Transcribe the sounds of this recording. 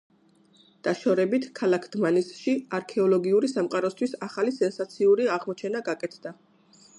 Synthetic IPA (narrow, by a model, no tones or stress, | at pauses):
d̪̥aʃɔɾɛbit̪ʰkʰalakʰd̪manisʃiaɾkʰɛɔlˠɔɡiuɾisamqʼaɾɔst̪ʰwisaχalisɛnsat̪sʰiuɾiaʁmɔt͡ʃʰɛnaɡakʼɛt̪ʰd̪̥a